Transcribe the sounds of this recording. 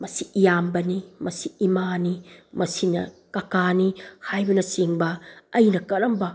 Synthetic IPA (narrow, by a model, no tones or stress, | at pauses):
mɐsiijambɐnimɐsiːmanimɐsinɐ̰kɐkanihajbɐnɐsiŋbɐːjnɐkɐɾɐmbɐ